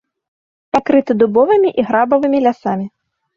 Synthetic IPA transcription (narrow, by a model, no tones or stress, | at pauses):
pakɾɨt̪ɨd̪ubɔvɨmʲiʔiɣɾabɐvɨmʲilʲasamʲi